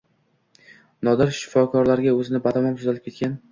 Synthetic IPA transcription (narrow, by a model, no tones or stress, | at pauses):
nɒd̪ɪɾʃɪ̥fɒkʰɒɾlaɾɡʲaɵzɪnɪbat̪ʰamɒmt̪ʰozalɪp̚kʲʰe̞t̪kʲan